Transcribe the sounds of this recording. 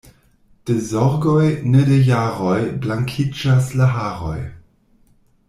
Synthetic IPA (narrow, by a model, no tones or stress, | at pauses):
d̥ezɔɾɡojnedejaɾojblaŋkʰid͡ʒaslaɦaːɾo̰j